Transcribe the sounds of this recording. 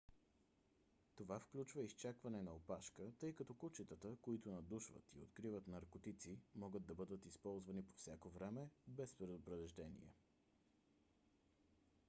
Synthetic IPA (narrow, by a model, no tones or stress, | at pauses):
t̪ovafklʲut͡ʃvəist͡ʃakvɐnɛnɐopaʃkət̪ɤjkɐt̪ɔkut͡ʃit̪ət̪əkoit̪onɐd̪uʃvə̰t̪io̰t̪kɾivət̪nɐɾkot̪it̪simɔɡəd̪̚d̪ːɐbɤd̪ət̪ispɔlˠzvɐnipo̥fsʲjakovɾɛmɛbɛspɾɛd̪opɾɛvɛʒd̪ɛnḭɛ̰